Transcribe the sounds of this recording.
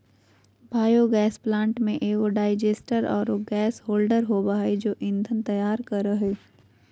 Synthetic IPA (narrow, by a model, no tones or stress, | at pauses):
bʱaːjoɡɛːsplãːɳʈmẽʔeːoɖaːɪd͡ʒeːsʈəɾɔːɾoɡɛːsɦoːlɖəɾɦobaːed͡ʒoːʔɪ̃nd̪ʱənt̪ɐjaːɾkɐɾəɦeː